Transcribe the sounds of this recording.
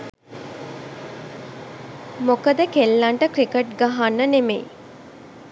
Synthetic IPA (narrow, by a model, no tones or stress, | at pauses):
mokəd̪əkelːaɳʈəkɾikeʈɡaɦanːənemḛj